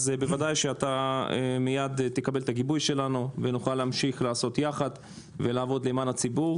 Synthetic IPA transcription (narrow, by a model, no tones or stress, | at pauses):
zbevadajʃeat̪aemijad̪t̪ekabe̞lt̪aɡibujʃe̞lanuvenuχaleamʃiχlaːso̞t̪jaχad̪ | ve̞laːvo̞d̪lemanat͡sibuʁ